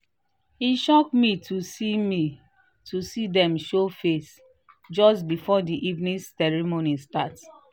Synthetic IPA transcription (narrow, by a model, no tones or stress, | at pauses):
hiʃɔk̚mitʰusimi | tʰusidɛ̃mʃofes | d͡ʒɔstbifɔdiʔivnĩsɛɹimonistat